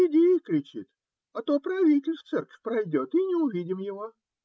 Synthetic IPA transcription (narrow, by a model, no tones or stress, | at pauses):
ɪdʲejəkɾʲɪt͡ɕḭt̪ | ɐt̪opɾɐvʲitʲɪlʲst̪sɛrkə̥fʲpɾɐjdʲo̞t̪inʲɪʊvʲidʲɪmjɪvo